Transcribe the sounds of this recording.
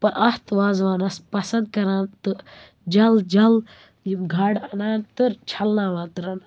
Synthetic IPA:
pɐnʔɐst̪ʋaːzʋaːnɐspɐsɐnd̪̚kɐɾaːnt̪ɨ | d͡ʒɐld͡ʒɐl | jiɡʱaːɽɐnaːnt̪ɨɾt͡ʃʰɐlnaːʋaːt̪ɨɾɐn

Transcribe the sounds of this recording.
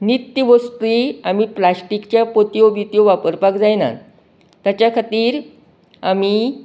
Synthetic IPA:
nit̪ːjəʋost̪iamiplasʈikt͡ɕjapot̪ijobit̪ijoʋapəɾpakd͡zajna̰ | t̪ːjat͡ɕjakʰat̪iːɾ | a̰mi

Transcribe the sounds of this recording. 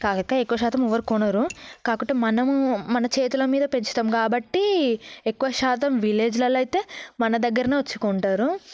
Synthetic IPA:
kaːkɐkːaekːuʋɐʃaːt̪ɐmɔʋɐɾikɔnɐɾukaːkuʈːeːmɐnɐmːɐnɐt͡ʃe̞ːt̪ulɐmiːd̪ɐpe̞ɲt͡ʃi̥t̪ɐmkaːbɐʈːiekːuʋɐʃaːt̪ɐmʋile̞ːd͡ʒlɐlɐjt̪e̞ːmɐnɐd̪ɐɡːɐɾɐneːʋɐt͡ʃːu̥koːɳʈaːɾu

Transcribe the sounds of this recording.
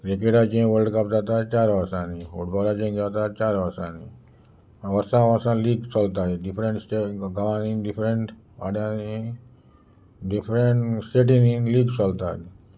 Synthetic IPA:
kɾik̬eʈat͡ʃẽːʋəlɖkapd͡ʒaːt̪at͡ʃaːɾʋəɾsãnifoɖbɔɾaːt͡ʃẽŋd͡ʒaːt̪at͡ʃaːɾʋəɾsãːniː | ʋəɾsãːʋəsãːliːɡsɔlt̪aeɖɪpʰɾẽɳʈseɡəʋãːniːɖɪpʰɾẽɳʈ | aːɖjãni | ɖɪpʰɾeɳʈseʈĩniliːɡsɔlt̪a̰ːni

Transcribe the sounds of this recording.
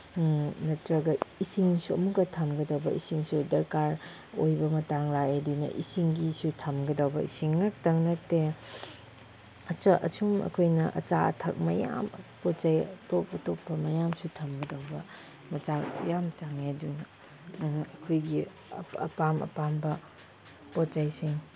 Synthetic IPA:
nɐtɾɐɡɐisiŋsuɐ̰mukːɐtʰɐmɡɐdɐwbɐisiŋsudɐɾkaɾ | ojbɐmɐtaŋlajedunɐ̰ʔisiŋɡisutʰɐmɡɐdɐwbɐ̰isiŋnak̚tɐŋnɐte | ɐt͡ʃɐʔɐ̰t͡ʃʰumɐ̰kʰojnɐʔɐ̰t͡ʃaɐ̰tʰɐk̚mɐja̰mpot͡ʃajɐtop̚ɐtopːɐmɐjamsutʰɐmɡɐdawbɐ | mɐt͡ʃajamt͡ʃaŋedunɐ | ɐkʰojɡi | ɐ̰pamɐ̰pambɐ | pott͡ʃajsiŋ

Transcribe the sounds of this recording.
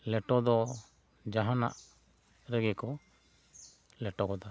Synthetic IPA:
lɛʈɔd̪ɔ | d͡ʒaɦana̰ʔ | ɾɛɡɛkɔ | lɛʈɔkɔd̪a

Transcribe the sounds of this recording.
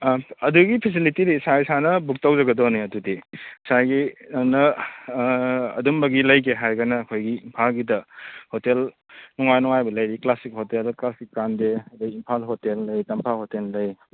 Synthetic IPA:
ɐduɡipʰis̬ilitiɾisaisanɐbuk̚tawzɐɡɐdɔneɐdudisaɡinɐ | ɐ̰dumbɐɡilɐjk̬eɦajɡanɐːkʰojɡiimpʰalɡidɐhotel | nɔŋajnɔŋajbɐlɐjɾiklasik̚hotelklasikːandeduimpʰalɦotelːɐjtɐmpʰahotelːɐj

